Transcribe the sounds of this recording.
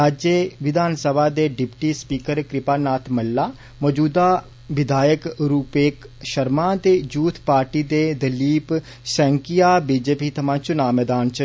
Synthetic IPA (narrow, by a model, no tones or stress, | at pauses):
ɾaːd͡ʒjəʋɪd̪ʱaːnsəbʱad̪eɖɪpʈispiːkəɾkɾɪpaːnaːt̪ʰmɐlːa | mɔd͡ʒuːd̪a | ʋɪd̪ʱaːjəkɾuːpeːkʃɐɾmãt̪ed͡ʒuːt̪ʰpaːɾʈid̪ed̪ɐliːp | ʃɛ̃ːŋkijabiːd͡ʒeːpit̪ʰɐmãːt͡ʃʊnaːmeːd̪aːnt͡ʃɐ